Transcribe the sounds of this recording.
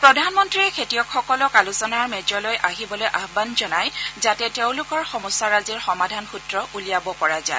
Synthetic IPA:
pɹɔdʱanmɔntɹiɹɛkʰetijɔkʰxɔkɔlɔkalʊsɔnaɹmɛd͡ʒɔlojʔaɦibɔlojʔaɦbanzɔnajzatɛteʊ̃lʊkɔɹxɔmɔsaɹaziɹxɔmadʱanxutɹɔʔulijabɔpɔɹaza̰

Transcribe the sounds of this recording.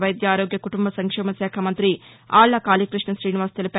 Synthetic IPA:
ʋɐjd̪jɐaːɾoːɡjɐkuʈumbɐsɐŋkʂɛːmɐsɛːkʰɐmɐnt̪ɾi | aːɭːɐkaːliːkɾiʂɳɐʃɾiːniʋaːst̪elip

